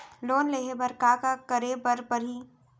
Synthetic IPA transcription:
loːnleːɦebɐɾkakakɐɾebəɾpəɾɦiː

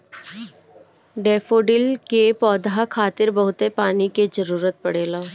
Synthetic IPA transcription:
ɖeːfoːɖɪlkepɔːd̪akʰaːt̪ɪɾbɐɦʊt̪epaːniked͡ʒəɾuːɾət̪̚pɐɽeːlaː

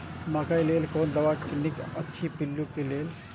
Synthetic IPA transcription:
makajleːlkond̪ɐʋaknikətːʃʰipilːukeleːl

